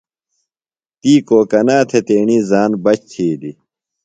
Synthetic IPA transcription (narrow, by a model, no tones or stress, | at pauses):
t̪iːkoːkɐnaːt̪ʰet̪eːɳiːzaːnbɐt͡ɕt̪ʰiːd̪i